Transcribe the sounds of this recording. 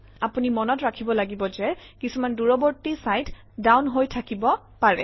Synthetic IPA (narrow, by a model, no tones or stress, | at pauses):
apunimɔnɔtɹakʰibɔlaɡibɔzɛkisumanduɹɔbɔɹtisajt | dawnɦojtʰakibɔ | paɹɛ̰